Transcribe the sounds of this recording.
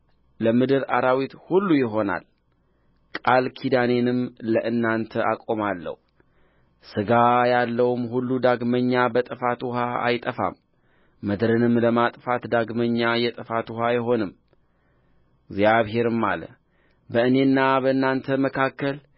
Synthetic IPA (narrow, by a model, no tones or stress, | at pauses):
ləmɨd̪ɨɾaɾawit̪hulːujɪɦo̞na̰l | kʼalkʰid̪ane̞nɨmləʔɨnːant̪ʰəʔakʼo̞malːə̰hu | sɨɡajalːəwumhulːud̪aɡməɲːabət̪ʼɨfat̪ʰuhaa̰jt̪ʼəfa̰mː | əd̪ɾɨnɨmləmat̪ʼfat̪d̪aɡməɲːajɛt̪ʼɨfat̪uhajɪɦo̞nɨm | ɡzjaβɦe̞ɾɨmːa̰lə̰ | bəɨne̞nːabəɨnːant̪ʰəməkʰakːəl